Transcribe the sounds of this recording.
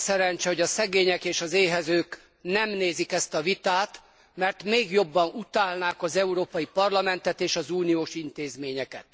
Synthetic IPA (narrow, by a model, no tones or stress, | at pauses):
sɛɾɛɲt͡ʃɛho̞ɟɒsɛɡeːɲɛkeːʃɒzeːɦɛzøːk | nɛmneːzikɛst̪ɒvit̪aːt̪ | mɛrt̪meːɡjo̞bːɒnut̪aːlnaːkɒzɛuɾoːpɒjipɒrlɒmɛnt̪ɛt̪eːʃɒzuːnijoːʃint̪eːzmeːɲɛkɛt̪̚